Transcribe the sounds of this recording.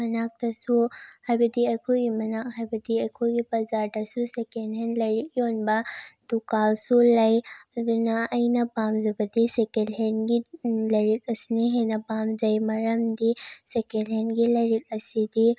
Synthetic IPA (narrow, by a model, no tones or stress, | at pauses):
mɐnak̚t̪ɐsuhɐbɐd̪iɐkʰuɡimɐnakɦɐbɐd̪iɐkʰuɡipɐzaːʈɐsusekenɦenlɐɾikjoːnbat̪ukaːlsulɐjdnaʔɐjnɐpaːmzɐbɐd̪isekelɦenɡilɐɾikɐsniɦenɐpaːmd͡ʒɐjmɐɾɐmd̪isekelɦenɡilɐɾik̚ɐsid̪i